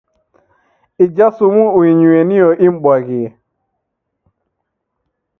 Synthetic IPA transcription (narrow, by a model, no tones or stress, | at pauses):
id͡ʒasumuuiɲuenioʔimɓaɣi